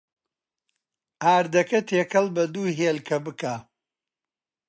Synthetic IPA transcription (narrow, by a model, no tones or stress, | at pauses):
aːɾd̪ɐkɐt̪ʰeːkʰɐlˠbɐd̪uːɦelkʰɐbɨkaː